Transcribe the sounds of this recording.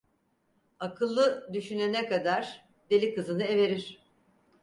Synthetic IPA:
akʰɯlˠːɯd̪yʃynenɛkad̪aɾ | d̪e̞lʲikɯzɯnɯe̞ve̞ɾiɾ̥

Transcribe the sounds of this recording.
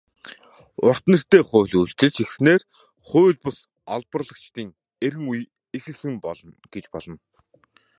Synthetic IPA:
ʊr̥t̪nĕr̥t̪eːχʊːɮuɬt͡sɘ̆t͡ɕixsneːr | χʊːɮpɔ̆s | ɔɮpərɮə̆kt͡ɕt̪iːŋ | eɾɘ̆ŋuj | exɘ̆ɮsɘ̆ŋpɔɮɞ̆nɡ̥et͡ɕpɔɮɞ̆n

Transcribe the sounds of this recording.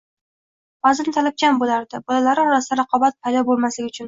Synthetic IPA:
bɒzɪnt̪ʰalap̚kʲʰambolaɾd̪ɪbɒlˠalaɾɪɒɾasd̪aɾɑqʰɒbat̪̚pʰajd̪ɒbolˠmaslɪɡʲɪʊt͡ʃʰʊn

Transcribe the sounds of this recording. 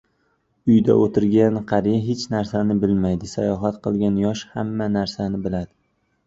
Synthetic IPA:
ʊjd̪a̰ot̪ʰɪɾɡʲanqʰɑɾijaɦet͡ʃnaɾsanɪbɪlmajd̪ɪsajɒɦat̪qɨlˠɡʲanjɒʃhamːanaɾsanɪbɪlad̪ɪ

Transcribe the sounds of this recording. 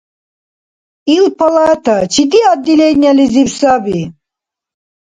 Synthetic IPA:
ilpʰalˠat̪ʰat͡ʃʰit̪iad̪ʲːilenʲalizipsabi

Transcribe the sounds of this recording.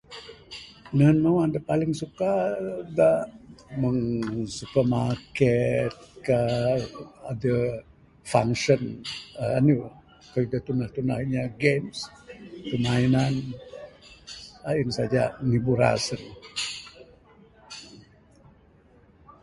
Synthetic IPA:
nənowandapalɪŋsukadaʔməŋsupəmakɛt̪̚ka | adə | fa̰ŋʃənaanu | kəidat̪unaht̪unahiɲaɡems | kəmainan | ainsad͡ʒa̰nibuɾa̰sən

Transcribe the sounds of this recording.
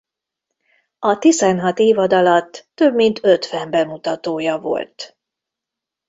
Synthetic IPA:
ɒt̪izɛnɦɒt̪eːvɒd̪ɒlɒt̪ːøbmint̪ʰøt̪ʋɛmbɛmut̪ɒt̪oːjɒvo̞̰lt̪

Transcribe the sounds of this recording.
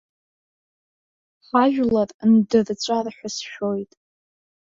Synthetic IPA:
ħaʒᶣlarndɨrt͡ɕʷʼarħʷᶣasʃᶣo̞jtʼ

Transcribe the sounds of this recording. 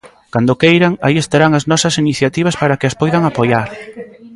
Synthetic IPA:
kand̪okejɾaŋaiest̪aɾaŋɐznɔsɐsiniθjat̪iβɐspaɾɐkɪɐspɔjðɐŋapojaɾ

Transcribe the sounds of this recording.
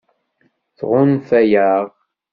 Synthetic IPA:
θʁʊnθæjæʁ

